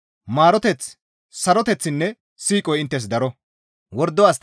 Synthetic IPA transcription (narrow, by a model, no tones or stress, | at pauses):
maːɾɔt̪ɛt͡s | sɐɾɔt̪ɛt͡sːɪnːɛ | siːkʼɔjɪnt̪ːɛs̬d̪ɐɾɔ | wɔɾd̪ːɔas